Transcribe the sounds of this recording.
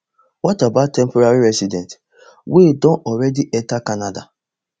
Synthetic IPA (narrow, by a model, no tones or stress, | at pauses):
wɔtabatːɛmpɔɾaɾiɾɛsidɛ̃nt | wedɔ̃nɔɾɛdiʔɛtakanada̰